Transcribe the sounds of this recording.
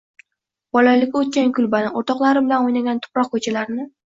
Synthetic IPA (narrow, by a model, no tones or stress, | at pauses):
bɒlalɪkʲot̪̚kʲankʰʲʊlbanɪoɾt̪ʰɒqlˠaɾɪbɪlanojnaɡʲant̪ʰʊ̥pɾɒq̚kʰɵt͡ʃʰalaɾɪnɪ